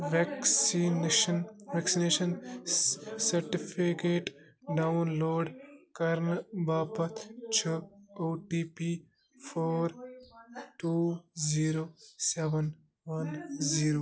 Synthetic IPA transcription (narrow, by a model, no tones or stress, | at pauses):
ʋɛksinʃənʋeksineːʃɐn | sɐɾʈipʰikeːʈ | ɖawnloːɖkɐɾnbaːpɐt̪t͡ʃʰɐoːʈiːpi | pʰoːɾ | ʈuːziːɾoːseʋən | ʋɐnziːɾoː